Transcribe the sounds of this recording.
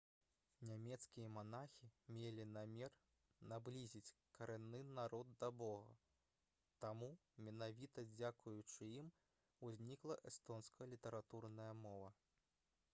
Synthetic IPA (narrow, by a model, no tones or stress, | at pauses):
nʲamʲɛt̪skʲijɐmanaxʲimʲelʲinamʲɛr | nablʲizʲit͡sʲkɐɾɛnːɨnaɾɔd̪̚ːɐbɔɣɐ̰ | t̪amumʲɛnavʲit̪ɐd͡zʲakujut͡ʂɨim | uzʲnʲiklˠɐʔɛst̪ɔnskɐlʲit̪ɐɾat̪urnɐjɐmɔvɐ